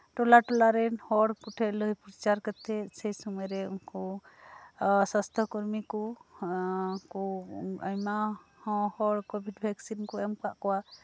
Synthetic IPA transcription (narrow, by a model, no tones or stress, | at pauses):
ʈɔlaʈɔlaɾɛnhɔɽkɔʈʰɛʔləjpɾt͡ʃaɾkət̪ʰɛsɛjsɔmɔjɾɛuŋkɔ | səst̪ʰɔkɔɾmikɔ | kɔajmahɔ̃hɔɽkɔbʱiɖbʱɛksinkɔɛmkaʔkɔwa